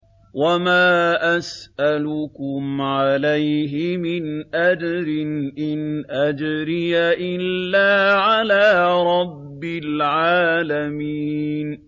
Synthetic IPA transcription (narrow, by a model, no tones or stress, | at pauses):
wamaːʔasʔalʊkʊmʕalajɦɪmɪnʔad͡ʒɾɪnʔɪnʔad͡ʒɾɪjaʔɪlːaːʕalaːɾˤɑbːɪlʕaːlamiːn